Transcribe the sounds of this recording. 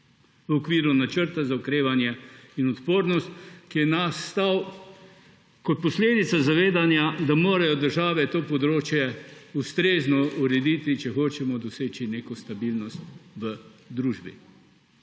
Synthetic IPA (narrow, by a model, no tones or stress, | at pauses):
ʋəɔkʋiːɾunat͡ʃəɾt̪azaʊkɾeːʋanjɛinɔt̪poːɾnɔst̪kiɛnasːt̪aw | kɔt̪̚pɔsleːd̪it̪sazaʋeːd̪anjad̪amoːɾajɔd̪əɾʒaːʋɛt̪oːpɔd̪ɾoːt͡ʃjɛust̪ɾeːznɔuɾɛd̪iːt̪it͡ʃɛxoːt͡ʃɛmɔd̪ɔseːt͡ʃineːkɔst̪abilnɔst̪ʋəd̪ɾuːʒbḭ